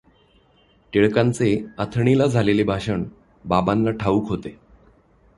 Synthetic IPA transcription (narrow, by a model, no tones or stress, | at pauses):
ʈeɭkãnt͡seət̪ʰəɳilad͡zʱalelebʱaɕəɳ | babanlaʈʰaʋuːkɦot̪e